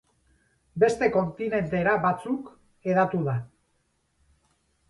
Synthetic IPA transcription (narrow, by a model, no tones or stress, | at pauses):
be̞st̪e̞ko̞nt̪ine̞nt̪e̞ɾaβat͡suk | e̞ðat̪uða